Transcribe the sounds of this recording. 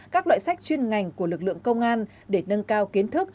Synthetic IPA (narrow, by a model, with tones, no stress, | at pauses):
kaː˦˥k̚lwa̰ː˧˨jsa˦˥jk̚t͡ɕwi˧ənŋa˨˩jŋ̟ku˧˩əlɨ˨˩k̚lɨ̰˧˨əŋkə˧wŋ͡mʔaː˧n | ɗe˧˩nə˧nkaː˧wki˨˦ənt̪ʰɨ˦˥k̚